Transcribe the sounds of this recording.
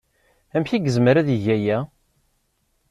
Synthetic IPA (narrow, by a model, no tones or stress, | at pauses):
æmçiɡəzməɾæðiʝæjæ